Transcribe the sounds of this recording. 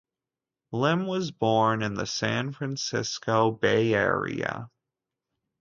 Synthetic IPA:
lɪ̃mwʌzbɔɹnɨ̃nðɨsæ̃nfɹæ̃nsɪskoʊbeɪɛ̰ɹḭɨ̰

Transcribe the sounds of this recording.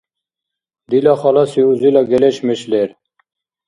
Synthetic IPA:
d̪ilɑχɑlɑsiuzilɑɡeleɕmeɕleɾ

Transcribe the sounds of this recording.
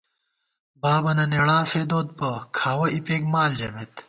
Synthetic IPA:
baːbɐnɐneɽaːfeːd̪oːd̪̚pɐkʰaːwɐipeːɡmaːld͡ʑɐmet̪

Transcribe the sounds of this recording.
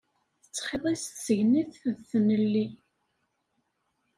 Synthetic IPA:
θə̥t͡sːχeðˤist̪səʝniθðθnəlːi

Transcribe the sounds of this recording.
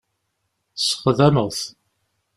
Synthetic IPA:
sə̥χðæməʁθ

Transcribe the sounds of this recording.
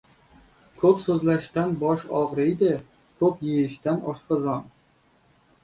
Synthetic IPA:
kʰɵpsɵzlaʃt̪anbɒʃɒʁɾɪjd̪ɪ | kʰɵpjejɪʃt̪anʔɒʃqazɒn

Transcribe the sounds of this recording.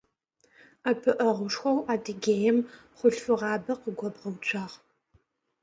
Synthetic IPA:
apʰɨʔɐʁʷʊʂxʷɐwaːdɨɡʲeːjɛmχʷʊɬfɨʁɑːbɐqəɡʷɔbʁɐwt͡ʃʷʰaːʁ

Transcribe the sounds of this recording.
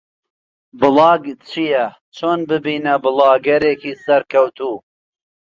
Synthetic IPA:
bɨlˠɑːɡt͡ʃʰijɐ | t͡ʃʰoːnbɨbiːnɐbɨlˠɑːɡɐɾeːkiːsɐɾkʰɐwt̪ʰuː

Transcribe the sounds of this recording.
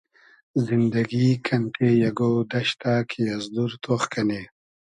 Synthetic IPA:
zind̪ɐɡikʰɐnʈʰejɐɡod̪ɐʃt̪aːkʰijɐzd̪uɾt̪ʰoχkɐne

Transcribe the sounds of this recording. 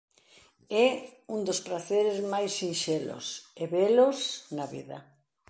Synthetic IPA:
ɛund̪ospɾaθeɾezmajsinʃɛlʊ̰seβɛlosnɐβḭðɐ̰

